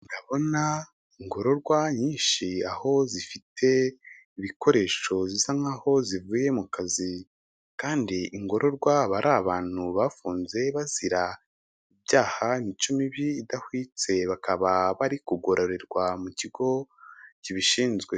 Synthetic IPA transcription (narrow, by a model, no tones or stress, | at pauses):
ndaβo̞na | iŋɡo̞ɾo̞ɾɡwaɲiːnʃiaho̞zifitʰe̞ | iβiko̞ɾe̞ːʃo̞ziz̥aŋaho̞zivuːje̞mukazi | kaːndiʔːŋɡo̞ɾʔo̞ɾɡwaβaɾʔaβaːn̥huβafuːnze̞βaziɾa | iβɟaːhanit͡ʃumiβiːdahwiːt͡se̞βakaβaβaɾikuɡo̞ɾo̞ɾe̞ɾɡwamuciɡ̥o̞ciβiʃiːnzɡwe̞